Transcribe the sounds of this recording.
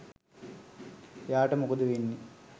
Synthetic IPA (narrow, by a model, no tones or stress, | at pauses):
jaːʈəmukud̪uʋenːi